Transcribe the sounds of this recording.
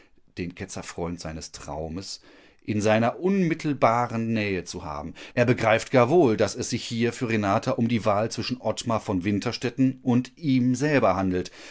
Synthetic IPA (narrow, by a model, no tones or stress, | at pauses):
d̥eːnkʰɛt͡sɐfʁ̥ɔʏntz̥aɪnəstʁ̥a̰ʊməs | ʔɪnzaɪnɐʔʊnmɪtʰl̩baːʁənːɛːət͡suha̰ːbm̩ʔeːɐbəɡʁaɪftɡ̥aːɐvoːldasɛsz̥ɪçhiːɐfyːɐʁenaːtʰaʔʊmdiːvaːlt͡sv̥ɪʃn̩ʔɔtmafɔnvɪntʰɐʃtɛtn̩ʔʊntʔiːmzɛlbɐhandl̩t